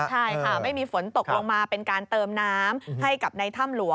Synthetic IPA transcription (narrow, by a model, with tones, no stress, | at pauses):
t͡ɕʰa˥˩jkʰa˥˩ma˥˩jmiː˧fo˩˦nt̪o˨˩k̚lo˧ŋmaː˧pe˧nkaː˧nt̪ɤː˧mnaː˦˥mha˥˩jka˨˩p̚na˧jt̪ʰa˥˩mlu˨˩˦ə